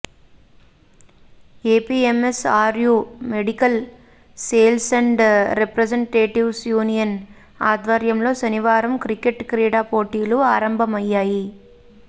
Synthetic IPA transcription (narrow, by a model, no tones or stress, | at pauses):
eːpiːemesaːɾjuːmeɽikɐl | seːlsɐɳɖɾepɾɐd͡ʒɐɳʈeːʈiʋsjuːnijɐn | aːd̪ʋɐɾjɐmlo̞ːsɐniʋaːɾɐmkɾikeʈkɾiːɽaːpoːʈiːluaːɾɐmbʱɐmɐjːaːji